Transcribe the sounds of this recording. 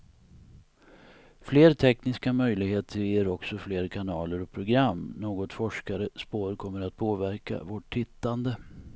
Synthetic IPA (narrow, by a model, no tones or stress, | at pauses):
fleːɾt̪ʰɛknɪskamœjlɪɡheːt̪ʰəɾjeːɾɔksɔfleːɾkʰanɑːləɾɔpʰɾʊɡɾamːnoːɡɔt̪fɔʂkaɾəspoːɾkʰɔmːəɾat̪̚pʰoːvæɾka̰voʈʰɪt̪ːand̪ə